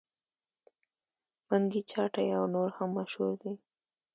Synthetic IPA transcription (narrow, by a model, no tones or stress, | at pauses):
maŋɡit͡ʃɑʈajawnoɾhamːaʃhṵɾd̪e